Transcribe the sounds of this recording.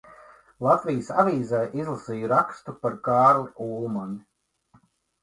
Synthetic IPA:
lˠat̪vijəsavʲiːzɛːʔizlˠasiːjuɾakst̪upaɾkɑːɾliuːlˠmɔn

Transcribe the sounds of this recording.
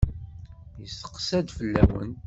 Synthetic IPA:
jəsə̥qsæd̪fəlːæ̰wə̰n

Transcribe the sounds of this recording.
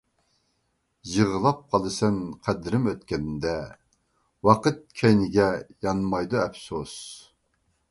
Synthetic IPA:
jəʁəlˠɑp̚qʰɑlˠɨsɛnqʰæd̪ɪɾɪmøt̪kʲɛnnd̪ɛ | wɑqʰət̪̚kʲʰɛjnɪɡʲɛjɑnmɑjd̪uɛfsos

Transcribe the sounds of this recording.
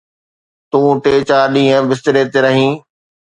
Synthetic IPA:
t̪ũːʈeːt͡ɕaːɗĩːɦə̃bɪst̪ɪɾeːt̪eɾɐɦĩː

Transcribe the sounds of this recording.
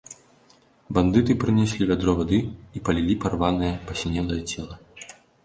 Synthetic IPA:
band̪ɨt̪ɨpɾɨnʲɛsʲlʲivʲad̪ɾɔvad̪ɨipɐlʲilʲiparvanɨjɐpɐsʲnʲɛlˠɐjɐt͡sʲɛlˠɐ

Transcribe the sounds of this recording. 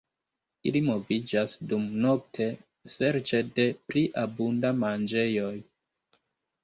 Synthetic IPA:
ḭlimo̞vid͡ʒasdumno̞k̚tʰe̞ | se̞ɾt͡ʃe̞de̞pɾiʔabundamand͡ʒe̞jo̞j

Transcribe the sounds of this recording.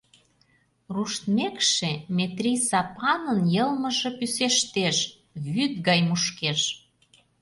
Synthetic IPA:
ruʃt̪mekʃemʲet̪ɾʲijsɑpɑnənjɤlmə̆ʒepyseʃt̪eʃ | βyt̪̚ɣɑjmuʃkeʃ

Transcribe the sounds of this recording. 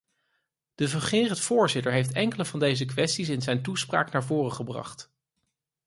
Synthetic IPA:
d̥əvəχɪːrəntfʊːɹzɪtəɹɦejftɛŋkələvɑndejzəkʋɛstisɪnzɛjntuspra̰ːknaːɹvʊːrəχəbrɑ̰χt

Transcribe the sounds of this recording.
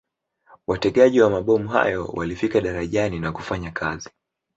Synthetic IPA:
watɛɠaʄiwamaɓɔmuɦa̰jɔ̰wa̰lifikaɗaɾaʄaninaku̥faɲakʰazi

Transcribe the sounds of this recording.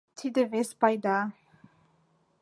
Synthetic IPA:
tʰid̪əvɛspajd̪a

